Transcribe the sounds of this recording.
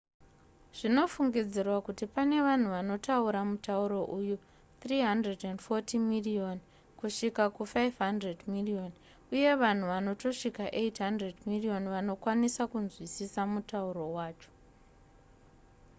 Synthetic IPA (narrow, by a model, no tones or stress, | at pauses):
ʐ̥ino̞fuŋɡid͡zirwakutipane̞ʋan̤uʋano̞tauɾamutauɾo̞ʔuju | t̪riɦandredendfo̞timirion | kuʂikakufajvɦandredmilio̞n | uje̞ʋan̤uʋano̞to̞ʂikaʔe̞itɦandredmirio̞nʋano̞kwanisakunzwisisamutauɾo̞waːt͡ʃo̥